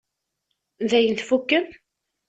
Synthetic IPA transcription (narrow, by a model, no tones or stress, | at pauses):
nðæjənθfukːən